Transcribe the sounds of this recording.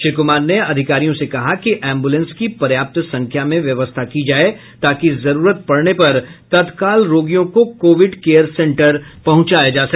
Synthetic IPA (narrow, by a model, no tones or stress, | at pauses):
ʃɪɾkʊmaːɾneɐd̪ʱɪkaːɾijõsekɐɦakiʔɛ̃ːmbulə̃nskipɐɾjaːp̚t̪sɐ̃ŋkʰjamẽʋjɐʋəst̪ʰakid͡ʒaːe | t̪aːkizɐɾuːɾət̪̚pɐɽnepɐɾt̪ɐd̪kaːlɾoːɡijõkokoːʋɪɖkeːjəɾsɛ̃ɳʈəɾpɐɦʊ̃t͡ʃaːjad͡ʒaːsɐkː